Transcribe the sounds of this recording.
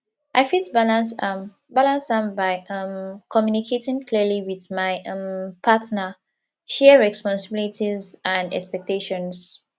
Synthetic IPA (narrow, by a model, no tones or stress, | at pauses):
ʔaɪfitbalãnsam | balãnsãmbaɪʔʌ̃mkʰɔmjunikʰetɪ̃ŋkʰliəliwiðmaɪʔʌ̃mpʰatnə | ʃɛɹɛspɔ̃nsɪbilitʰizãndɛ̰kspɛk̚teʃɔ̃ns